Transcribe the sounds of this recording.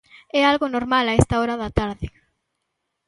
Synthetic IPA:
ɛalɣonoɾmalaest̪aoɾaðat̪aɾðɪ

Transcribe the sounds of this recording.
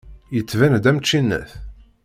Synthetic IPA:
jət͡sːvænd̪æmt͡ʃːinːæ̰θ

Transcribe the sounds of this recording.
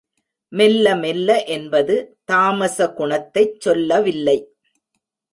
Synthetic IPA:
mɛlːɐmɛlːɐʔɛnbɐðɯt̪aːmɐsɐɡʊɳɐt̪ːɐɪt͡ʃsɔlːɐʋɪlːɐɪ

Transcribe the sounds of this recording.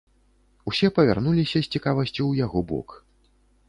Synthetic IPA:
usʲɛpɐvʲa̰rnulʲisʲɐsʲt͡sʲikavɐsʲt͡sʲuwjaɣɔbɔ̰k

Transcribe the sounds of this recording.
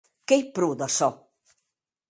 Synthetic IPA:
kejpɾuːd̪asɔ

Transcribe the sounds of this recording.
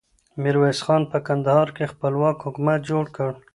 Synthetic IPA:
mɪɾwesxɑnpəkand̪ahɑɾkexpəlwɑkhʊkumat̪̚d͡ʒoɽkəɽ

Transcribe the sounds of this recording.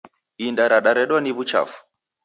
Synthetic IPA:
indaɾaɗaɾɛɗwaniβut͡ʃa̰fu̥

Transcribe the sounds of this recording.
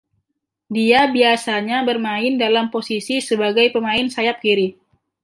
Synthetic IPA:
diabiasaɲabərmaɪndalamposisisəbaɡajpəmaɪnsajap̚kiɾi

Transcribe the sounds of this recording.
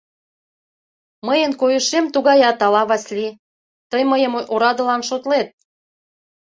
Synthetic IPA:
məjənkojəʃemt̪uɣɑjɑt̪ɑlɑβɑsʲli | t̪əjməjəmoɾɑd̪ə̆lɑnʃot̪let̪̚

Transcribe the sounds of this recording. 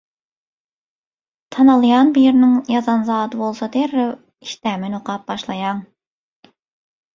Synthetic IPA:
t̪ʰɑnɑlˠɨjɑnbijɾnɪŋjɑzɑnzɑːt̪ɨbolˠsɑd̪eɾɪ | i̥ʃt̪ɛmɪnoqɑp̚bɑʃlˠɑjɑŋ

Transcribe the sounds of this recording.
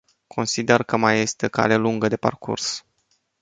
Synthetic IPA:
kʰo̞nsid̪e̞rkəmaje̞st̪e̞ka̰leluŋɡəd̪e̞pa̰rkṵrs

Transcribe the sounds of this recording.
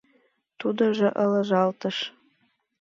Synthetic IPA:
t̪ud̪ŏʒɤ̆ʔɤlɤ̆ʒɑlt̪ə̆ʃ

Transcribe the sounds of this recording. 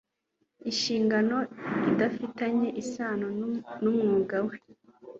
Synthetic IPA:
iʃiːŋɡano̞idafitaɲe̞ʔisaːnonumŋuːɡawe

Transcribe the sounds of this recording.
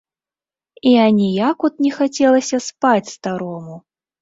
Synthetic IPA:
ianʲijakut̪̚nʲɛxat͡sʲɛlˠɐsʲɐspat͡sʲst̪aɾɔmu

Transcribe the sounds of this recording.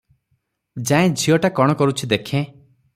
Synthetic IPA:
d͡ʒaẽd͡ʒʱiɔʈakɔɽ̃ɔkɔɾut͡ʃʰid̪ekʰẽ

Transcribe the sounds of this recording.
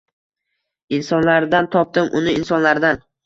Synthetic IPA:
ɪnsɒnlaɾd̪ant̪ʰɒp̚t̪ɪmʔʊnɪɪnsɒnlaɾd̪an

